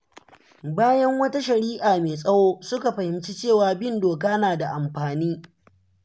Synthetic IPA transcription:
baː˦jɐ˦ŋwɐ˦ta˦ʃɐ˨ɾiː˦ʔaː˨meː˨sʼɐ˦woː˦sʊ˦ka˨ɸɐ˨hɪ˨mt͡ʃi˦t͡ʃeː˦˨waː˨bɪ˦˨ndoː˨kaː˦naː˨da˨ʔa˨mɸaː˨niː˦

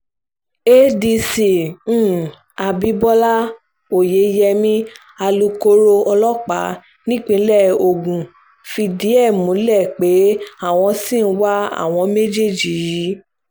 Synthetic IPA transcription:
e˦di˧sĩ˨˦˨ | a˧bi˨˦bɔ˦la˦ | o˨je˨˦jɛ˧mĩ˦ | a˧lu˧ko˦ɾo˧ɔ˧lɔ˦k͡pa˨˦ | nĩ˦k͡pĩ˧˦lɛ˦˨o˨ɡũ˨ | fi˧di˨˦ɛ˦˨mũ˨˦lɛ˦˨k͡pe˨˦a˦˨w̃ɔ̃˧sĩ˦˨˦wa˦a̰˦˨w̃ɔ̃˧me˦d͡ʒe˦˨d͡ʒi˨ji˨˦

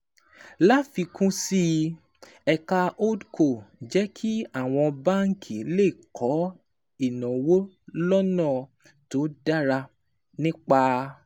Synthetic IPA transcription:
la˦fi˧kũ˦si˦˧ | ɛ˧ka˧ʔo˦dkʰo˦˨d͡ʒɛ˦kʰi˦a˦˨w̃ɔ̃˧ba˦ŋ̩˦kʰi˨˦le˦˨kʰɔ˨˦ | i˦˨nã˨wo˦ | lɔ˦nã˦˨ | to˨˦da˦ɾa˧ | nĩ˦k͡pa˧

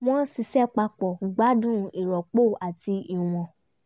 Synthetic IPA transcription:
m̃˦ɔ̃˦si˧sɛ˦k͡pa˧k͡pɔ˨ɡ͡ba˨˦dũ˦˧i˨ɾɔ˨k͡po˦˨a˨ti˧i˨w̃ɔ̃˨

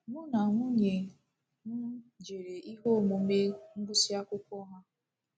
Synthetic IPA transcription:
nʊ˦na˨ŋʷʊ˦ɲe˨ | ŋʊ˦d͡ʒe˨ɾe˨ʔi˦ɦo˦˨mu˨˦e˦ŋ̩˦ɡ͡bʊ˦si˦a˦kʷʊ˦kʷɔ˦ɦa˦

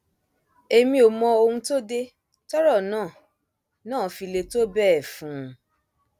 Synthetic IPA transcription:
e˧mĩ˧o˨mɔ̃˧o˧hũ˧to˦de˧ | tɔ˦ɾɔ˦˨nãː˦˨ | nãː˦˨˦fi˧le˧to˦bɛ˦˨fũ˨˦˨

